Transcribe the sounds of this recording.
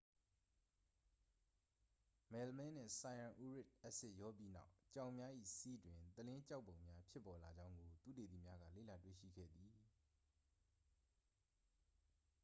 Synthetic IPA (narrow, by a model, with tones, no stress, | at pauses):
mɛ˨lmɛ̃˦n̥ɪ̰̃˦˨sa˨ã˨ʔu˦ɹɪ˦˨t̚ʔɛ˦ʔsɪ˦ʔjɔ˦pji˦na̰˦ʊt͡ɕã˨ʊ̃mja˦ʔḭ˦˨si˦dwɪ̃˨t̪əlɪ̃˦t͡ɕa˦ʊpːõ˨ʊ̃mja˦pʰjɪ˦pːɔ˨la˨d͡ʑã˦ʊ̃ŋɡo˨t̪ṵ˦˨te˨d̪i˨mja˦ɡä̰˦˨lḛ˦˨la˨twḛ˦˨ʃḭ˦˨ɡɛ̰˦˨d̪i˨